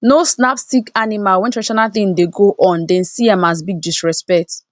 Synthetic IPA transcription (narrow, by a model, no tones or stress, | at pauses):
nosnapstikanimalwɛ̃ntɹɛʃanaθĩŋdeɡoʔɔ̃ndɛ̃nsiamas̬biɡ̚distɹɛspɛk̚t